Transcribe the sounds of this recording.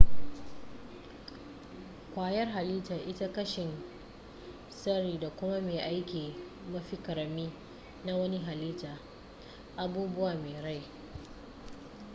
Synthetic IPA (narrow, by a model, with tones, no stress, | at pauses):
kʷaː˦˨jɐ˦rɦa˨liː˦taː˨ʔɪ˦ta˦kɐ˦ʃɪ˨n | sɐ˦ɽiː˨da˨kʷʊ˦ma˦meː˨ʔa˦jkʲiː˨ | mɐ˦ɸi˦kɐ˨ɾɐ˨miː˦ | na˦wɐ˦ni˦ɦa˨liː˦taː˨ | ʔa˨buː˦bʊ˦waː˨meː˨ɽa˦j